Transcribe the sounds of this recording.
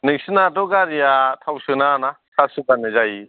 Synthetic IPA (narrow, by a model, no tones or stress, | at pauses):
nɯŋsɯnatɔɡaɾijatʰawsɯnana | sasɯkanɯzaji